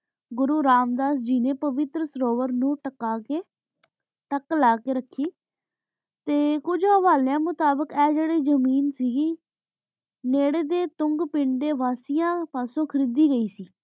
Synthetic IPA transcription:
ɡʊɾuːɾaːmd̪aːs̬d͡ʒiːnẽːpəʋɪt̪ɾəsɾoːʋəɾnũːʈəkaːkeː | ʈəklaːkeːɾəkʰːiː | t̪eːkʊd͡ʒəʋaːljãːmʊt̪aːbəkɛːd͡ʒeːɽeːd͡ʒəmiːnsiɡiː | neːɽeːd̪eːt̪ʊŋɡpɪɳɖ̪eːʋaːsijãːpaːsõːkʰəɾiːd̪iːɡəiːsiː

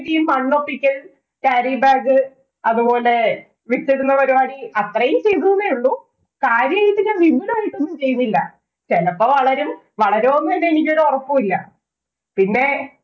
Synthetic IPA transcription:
ðijumːɐɳːopːikʲːɐl | kaːɾiːbaːɡɨ | ɐðubo̞ːle | ʋitːeɽunːɐpɐɾuaːniɐt̪rɐjumt͡ɕe̞jt̪unːɐðɐjuɭːu | kaːɾjɐɐjit̪ːinɐʋimbulaːjiʈːonːumt͡ɕe̞jːunːilːɐ̰ | t͡ɕenɐpːɐʋɐɭɐɾum | ʋɐɭɐɾoːonːinːenik̬ʲːɐɾorɐpːumilːɐ̰ | pinːe̞

